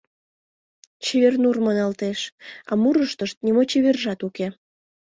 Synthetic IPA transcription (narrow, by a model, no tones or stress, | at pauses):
t͡ɕeβernurmənɑlt̪eʃɑ̰muɾəʃt̪əʃt̪̚nimot͡ɕeβerʒɑt̪uke